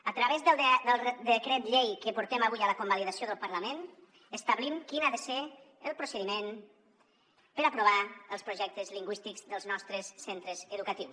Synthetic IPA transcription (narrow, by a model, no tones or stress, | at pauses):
ət̪ɾəβezðəlˠd̪əlˠd̪əkɾɛt̪ʎejkəpuɾt̪eməβujələkumbəliðəsioðəlˠpəɾləmen | əst̪əβlimkinaðəse | əlˠpɾusəðimen | pəɾəapɾuβ̞aəlˠspɾuʒɛk̚t̪əzliŋɡwist̪iɡzðəlˠznɔst̪ɾəsːent̪ɾəzəðukət̪iws